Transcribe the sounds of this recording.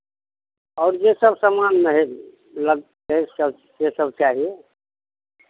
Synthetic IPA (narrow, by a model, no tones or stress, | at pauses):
ɔʊɾd͡ʒesəbsəmanmeɦ | ləɡ̚ | kesəb | sesəb̚t͡ʃaɦie